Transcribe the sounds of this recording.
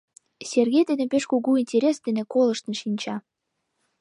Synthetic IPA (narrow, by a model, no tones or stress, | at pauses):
sʲerɣʲejd̪enepeʃkuɣuinʲtʲeɾʲesd̪enekolɤ̆ʃt̪ə̆nʃinʲt͡ɕɑ